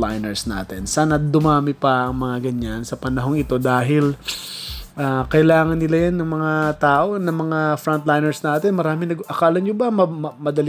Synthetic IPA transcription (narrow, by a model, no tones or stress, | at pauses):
lajnɛɹsna̰ːt̪ɛnsaːnɐd̪ʊmaːmɪpɐʔɐŋmɐŋaɡɐɲːansɐpɐnɐɦo̞ŋɪt̪o̞d̪aːɦɪl | ʔaːkɐʔɪlaːŋɐnːɪlajanːɐŋmɐŋat̪aːʔo̞nɐŋmɐŋafɾɐnt̪lajnɛɹsnaːt̪ɛnmɐɾaːmɪnɐɡʔɐkaːlɐnɲjobɐmɐmmɐd̪ɐl